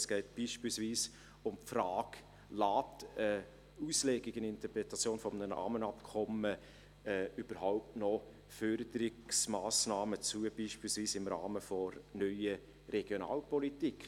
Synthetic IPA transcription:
sɡ̥ɛɪt̚b̥iːʃpiːlsviːs | ʊmpfɾaːk | laːtə | uːslɛɡɪkɪnɪnt̪əpɾɛtɑt͡sjoːnfɔmnəna̰ːmənɑpkʰɔmə | ɛːyb̥əɾɦaʊptnɔ | fœɾd̪əɾɪksmaːsnaːmət͡suəb̥iːʃpiːlsviːsɪmɾa̰ːməfɔɾnœʏə | ɾɛɡ̥jona̰ːlpɔlitikʰ

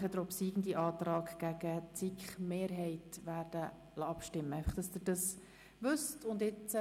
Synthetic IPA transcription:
χədɾɔpsiːɡn̩diʔɑːtrɑːkɡ̥æɡət͡sikχmeːɾɦɛɪtʋæːrd̥ə | lɑɑpʃtɪmːəæɪfɑχd̥ɑsd̥əɾd̥ɑs | ʋʏstʊndɪt͡s

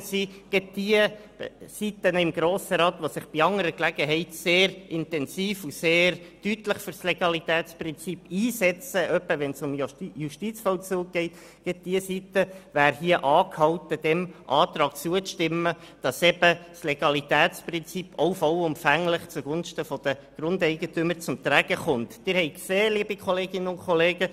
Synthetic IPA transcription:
siɡ̥ɛt̚d̥iə̥ | sitənəɪmɡ̥ɾoːsəɾɑːt̪ʋosɪχb̥iɑŋəɾəklæɡəɦɛɪtseːɾɪntɛnsiːfuseːɾtytlɪχfʏɾsleɡ̥ɑlit̪ɛːtsprɪnt͡sipːiːsɛt͡səʔœpːəʋɛnsʊmjuʃtit͡sfɔlt͡suːɡ̚ɡ̥ɛɪt | ɡ̥ɛt̚d̥iəsitəʋæːɾhiəʔɑːkhɑwt̪əd̥ɛmʔɑːt̪ɾɑːk̚t͡suəʃtɪmːə | d̥ɑsɛb̥əsleɡ̥ɑlit̪æːtsprɪnt͡sipʰoʊfɔlʊmfæŋlɪχt͡suɡʊnʃtəfɔd̥̪əɡ̥ɾʊndɛɪɡ̥ətʏməɾt͡sʊmt̪ɾæɡ̥əχʊntːɪɾhɛɪkseːliəbikχɔleːɡɪnəʊnkʰχɔleːɡ̥ə

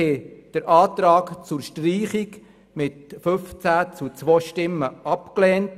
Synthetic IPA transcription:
ed̥əɾʔɑːtɾɑːkt͡sʊɾʃtriːχik | mɪtfɵft͡sæt͡sut͡sʋoːʃtɪmːəɑpklɛːnt

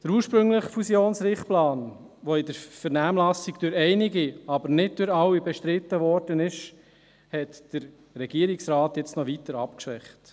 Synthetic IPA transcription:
d̥əɾuːɾʃpɾɵŋləχfusjoːnsɾɪχplɑːn | ʋoɪd̪əɾfəɾnæːmlɑsiɡd̥øɾɛɪniɡiɑbəɾnɪd̚d̥øɾɑwːibɛʃtɾɪt̪ːəʋɔɾd̥ənɪʃ | hɛtd̥əɾː | ɛɡ̥iəɾiksrɑːt̪jɛt͡snɔʋit̪əɾɑpkʃʋɛχt

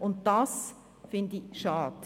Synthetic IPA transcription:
ʔʊnt̚d̥ɑs | fɪndɪçʃɑːd

